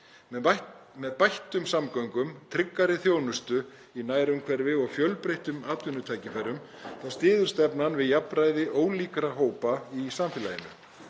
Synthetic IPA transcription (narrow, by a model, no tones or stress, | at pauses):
mɛðpajht̪ʏmsamkœɥŋkʏmt̪ʰɾɪkːaɾɪθjoːwnʏst̪ʏ | inaːjɾʏmkʰvɛɾvɪɔɣfjœlpɾejht̪ʏmaːt̪vʏnːʏt̪ʰaːjcɪfɛɾːʏm | θawst̪ɪːðʏ̥st̪ɛpnanvɪðjapɾaːjðɪʔoːwliːkɾaɦoːwpaisamfɪːla̰jɪnʏ̰